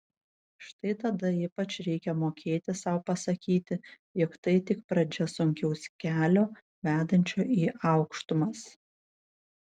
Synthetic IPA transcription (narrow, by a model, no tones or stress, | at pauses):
ʃt̪ɐɪt̪ɐd̪ɐiːpɐt͡ʃɾʲɛɪkʲɛmoːkʲʰeːt̪ʲɪsɐʊpɐsɐkʲiːt̪ʲɪ | jɔkt̪ɐɪt̪ʲɪkpɾɐd͡ʒʲɛsʊŋʲkʲɛʊsʲkʲæːlʲoː | ʋʲæːd̪ɐnʲt͡ʃʲoːʔiːʔɑʊkʃt̪ʊmɐs